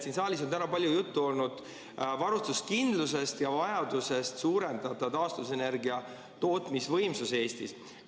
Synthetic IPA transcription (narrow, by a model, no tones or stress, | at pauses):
sinsɑːlʲiso̞nt̪ænɑpɑlʲjujut̪ːuo̞lnud̪̥ | vɑɾust̪uskind̪̥luse̞st̪jɑvɑjɑd̪̥use̞st̪suːɾe̞nd̪̥ɑd̪ɑt̪ɑːst̪uvuse̞ne̞rɡiɑ | t̪o̞ːt̪misvɤ̞jmsuse̞ːst̪is